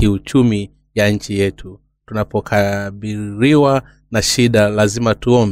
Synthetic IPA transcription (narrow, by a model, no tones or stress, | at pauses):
iut͡ʃumi | jaɲ̩t͡ʃijɛtʰu | tunapɔkʰaɓiɾiwa | naʃiɗalazimatuɔmb